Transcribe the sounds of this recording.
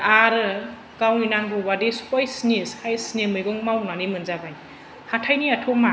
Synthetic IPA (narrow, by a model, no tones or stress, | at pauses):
aɾɯ | kawninaŋbɔbadesu̥pajsnesajsnemɯjɡɔŋmawnanimɯnzaban | hatʰajniatʰɔma